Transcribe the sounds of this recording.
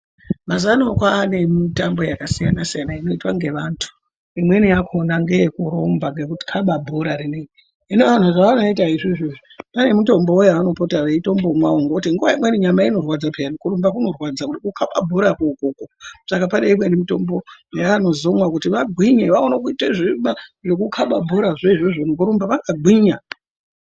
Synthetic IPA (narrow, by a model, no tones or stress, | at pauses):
mazanookwaːne̞mitambo̞jakasijanasijanaino̞itwaŋɡe̞ʋantʰu̥ | imwe̞nijakonaŋɡejekuɾo̞mbaŋɡe̞kuti̥kʰaɓabʱo̞ɾaɾine | ineʋan̤uʐaanoitaiʐiʐiʐopane̞muto̞mboojaːno̞potaʋaitombomwaoŋɡokutiŋɡuʋaimwe̞niɲamaino̞rwad͡zapʰenikuɾumbakuno̞rwad͡zakutikukʰaɓa̰bʱoɾakokoːkosakapane̞imwenimuto̞mbo̞jaːno̞zomwakutiʋaɡʱwiɲeʋaonakuiteʐimaʐe̞kukʰaɓabʱo̞ɾaʐeiʐoʐonuk̬uɾumbaʋakaɡʱiɲa